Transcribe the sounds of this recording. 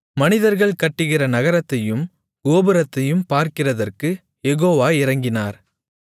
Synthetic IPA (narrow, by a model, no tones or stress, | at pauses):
mɐnɪðɐɾɣɐɭkɐʈːɯɣɪrɐnɐɣɐɾɐt̪ːɐjɯm | ɡoːbɯɾɐt̪ːɐjɯmpaːɾkɪrɐðɐrkɯ | jɛɣoːʋaːɪrɐŋɡɪnaːɾ